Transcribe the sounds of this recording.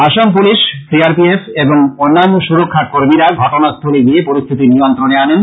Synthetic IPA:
aʃamp̬uliʃsiaɾpiefʰeboŋonːanːoʃuɾokʰːakoɾmiɾaɡʱɔʈonast̪ʰoliɡiepoɾist̪ʰit̪inijont̪ɾoneanen

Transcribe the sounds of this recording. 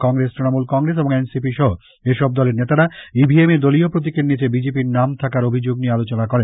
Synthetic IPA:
kɔŋɡɾestɾinomulkɔŋɾes̬eboŋensipiʃɔɦo | eʃɔb̚d̪ɔleɾnet̪aɾaibʱiemeɾd̪oliopɾot̪̬ikeɾnit͡ɕebid͡ʑep̬iɾnamt̪ʰakaɾobʱid͡ʑoɡniealot͡ɕonakɔɾe

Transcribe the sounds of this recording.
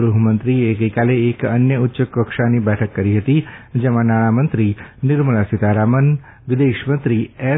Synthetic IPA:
ɾuɦumənt̪ɾieɡəjkaleːkənjəʊtːʃəkəkʃanibɛʈʰəkːəɾiɦət̪id͡ʒɛmãnaɽ̃amənt̪ɾinɪɾməɭasɪt̪aɾamən | ʋɪd̪eʃmənt̪ɾiɛ

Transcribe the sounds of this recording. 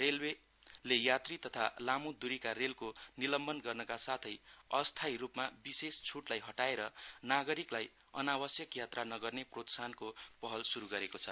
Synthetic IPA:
relwe | lejat̪rit̪ʌt̪ʰalamud̪uɾikaɾelkonilʌmbʌnɡʌrnʌkasat̪ʰʌjʌst̪ʰajɾupmabisest͡sʰuʈlajɦʌʈaeɾʌnaɡʌɾiklaj | ʌ̰nawʌsjʌkjat̪ranʌɡʌrneprot̪sankopʌɦʌlsuɾuɡʌɾekot͡sʰʌ

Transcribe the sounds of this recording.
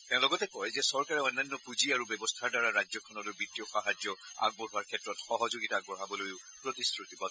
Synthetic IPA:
tɛ̃ʊ̃lɔɡɔtɛkɔjzɛsɔɹkaɹɛɔnːanːɔpuziaɹubɔbɔstʰaɹdaɹaɹad͡ʒjɔkʰɔnɔlobitːiɔxaɦad͡ʒjɔa̰ɡ̚bɔɦuwaɹkʰɛtɹɔtxɔɦɔzoɡitaɡ̚bɔɦabɔlojʊ | pɹotisɹutibɔ

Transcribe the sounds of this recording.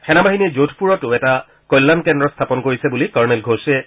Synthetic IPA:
xɛnamaɦinezotʰpuɹɔtʊɛta | kɔjlːankɛndɹɔstʰapɔnkoɹisɛbulikaɹmɛlɡʱosɛ

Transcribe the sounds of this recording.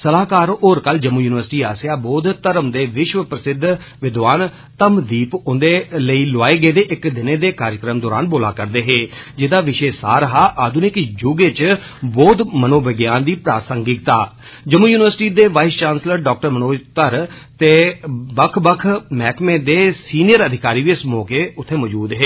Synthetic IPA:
səlaːkaːɾoːɾkəld͡ʒəmːuːjuːnɪʋəɾsʈiːaːsjaːbɔːd̪t̪əɾəmd̪eːʋɪʃʋəpɾəsɪd̪ʱ | ʋɪd̪ʋaːn | t̪əmd̪iːpʊnd̪eːləiːlʊaːeːɡeːd̪eːʔɪkd̪ɪneːd̪eːkaːɾjəkɾəmd̪ɔːɾa̰ːnboːla̰ːkəɾd̪eːɦeːd͡ʒɪd̪aːʋɪʃeːsa̰ːɾəɦaːʔaːd̪unekd͡ʒʊɡeːt͡ʃ | bɔːd̪mənoːbəɡjaːnd̪iːpɾaːsəŋɡɪk̚t̪aː | d͡ʒəmuːjuːnɪʋəɾsʈiːd̪eːʋaːɪst͡ʃãːnsləɾɖɔːk̚ʈəɾmənoːd͡ʒt̪əɾt̪eːbəkʰbəkʰmɛːkmẽːd̪eːsiːnɪjəɾəd̪ʱɪkaːɾiːʋiːɪsmɔːkeːʊt̪ʰːeːmɔːd͡ʒuːd̪ɦeː

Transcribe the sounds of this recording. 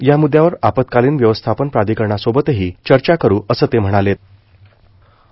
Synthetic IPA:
jamud̪ʱːjaʋəɾapət̪̚kaliːnʋjəʋəst̪ʰapənpɾad̪ʱikəɾɳasobət̪eɦiːt͡ɕəɾt͡ɕakəɾuːəsəːt̪em̤əɽ̃alet̪̚

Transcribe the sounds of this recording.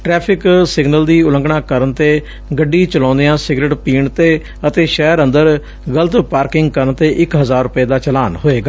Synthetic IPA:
ʈɾɛːpʰɪksɪɡnəld̪iːʊlə̃ŋɡɳaːkəɾənt̪eː | ɡəɖːiːt͡ʃəlɔ̃ːnd̪ejãːsɪɡɾeʈpiːɳt̪eː | ət̪eːʃɛːɾənd̪əɾ | ɡələt̪paːɾkɪŋɡkəɾənt̪eːʔɪkɦəzaːɾːʊpeːd̪aːt͡ʃəlaːnɦoːeːɡaː

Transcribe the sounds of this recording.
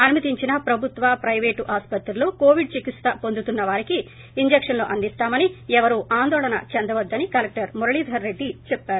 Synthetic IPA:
ɐnimɐt̪iɲt͡ʃinɐpɾɐbʱut̪ʋɐpɾɐjʋeːʈuʔaːspɐt̪ɾɐloːkoːʋiɖt͡ʃikit̪st̪ɐpond̪ut̪unːɐʋaːɾikiː | ɲd͡ʒekʂɐnlo̞ːʔɐnd̪ist̪aːmɐniɛʋɐɾuʔaːnd̪ɔːɭɐnɐ̰t͡ʃend̪ɐʋɐd̪ːɐnikɐlɐk̚ʈɐɾmuɾɐɭiːd̪ʱɐɾːe̞ɖːit͡ʃɛpːaːɾu

